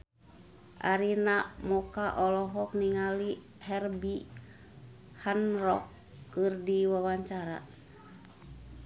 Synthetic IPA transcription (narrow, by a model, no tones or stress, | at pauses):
ʔa̰ɾinamukaʔɔlɔɦɔk̚niŋali | hɛrbi | hanrɔkː | ɨrdiwawaɲt͡ʃaɾa̰